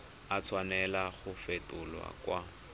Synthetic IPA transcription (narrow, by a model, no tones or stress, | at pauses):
at͡sʰwanɛlaχʊfetʊlwa̰kwa